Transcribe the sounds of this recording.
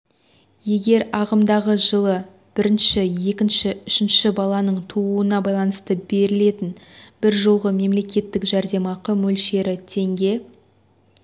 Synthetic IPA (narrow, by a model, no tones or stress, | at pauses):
je̞ɡʲe̞ɾɑʁəmd̪ɑʁəʒəlˠə | b̥ɪɾɪnʃɪje̞kʲɪnʃɪʏʃɪnʃɪbɑlˠɑnəɴt̪ʰuuənɑbɑjlˠɑnəst̪əbe̞ɾɪle̞t̪ɪnbɪɾʒolˠʁəme̞mle̞kʲe̞t̪ːɪkʒæɾd̪e̞mɑqəmɵlʃe̞ɾɪt̪ʰe̞ŋɡʲe̞